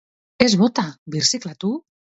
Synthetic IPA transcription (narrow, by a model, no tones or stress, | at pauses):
ezβot̪aβiɾsiklat̪u